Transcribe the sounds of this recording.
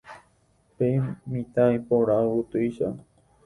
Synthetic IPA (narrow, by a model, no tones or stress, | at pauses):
pej̃mĩt̪aĩpoɾaout̪ɨjʃa